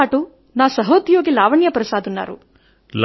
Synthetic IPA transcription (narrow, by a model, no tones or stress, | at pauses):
aːʈu | naːsɐɦoːd̪joːɡilaːʋɐɳjɐpɾɐsaːd̪unːa̰ːɾṵ | l